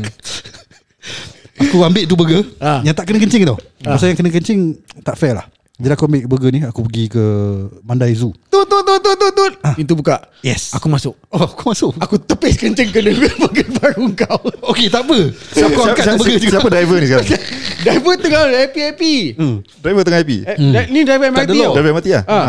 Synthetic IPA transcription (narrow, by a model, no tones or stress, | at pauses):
akuambɪʔt̪̬ubəɡəajaŋt̪aʔkənəkəɲt͡ʃɪŋt̪owmasajaŋkənək̬əɲt͡ʃɪŋt̪aʔfɛla̰h | d͡ʒadiakuambɪʔkəbəɡəniakupəɡikəmandajzut̪ut̪ot̪ot̪ot̪ot̪ot̪̚ãint̪̬ubukaʔ | jɛsakumasʊʔ̚oakumasʊʔakut̪əpɪskəɲt͡ʃəŋkənəɡəbəɡəbaɾuŋkawoket̪aʔpəsakaakat̪ubəɡəsisiapədajvənĩsəkaɾaŋdaivət̪əŋaɛpiapidɾajvət̪əŋãapḭanidajvəmat̪dəilodajvəmat̪ia̰ha